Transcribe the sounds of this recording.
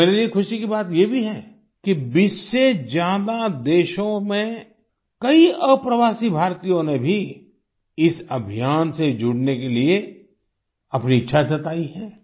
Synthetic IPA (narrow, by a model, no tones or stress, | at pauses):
meːɾeliexʊʃikibaːt̪jebʱiɦɛː | kibɪssed͡ʒjaːd̪ad̪eːʃõmẽ | kɐiəpɾɐʋaːsibʱaːɾt̪ijõnebʱi | ɪsɐbʱijaːnsed͡ʒʊɽnekelie | ɐpniɪtːʃʰasɐt̪aːiɦɛː